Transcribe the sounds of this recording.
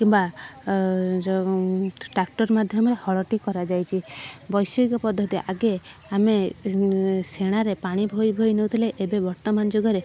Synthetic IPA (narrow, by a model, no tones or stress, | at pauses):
kĩba | ʈɾak̚ʈɔɾmad̪ʱjɔmɾehɔɭɔʈikɔɾad͡ʒajt͡ʃʰibɔjsɔɡikɔpɔd̪ʱːɔt̪iʔaɡeame | seɽ̃aɾepaɽ̃ibʱojbʱojnew̃t̪ʰileʔebebɔɾt̪ɔmand͡ʒoɡɔɾe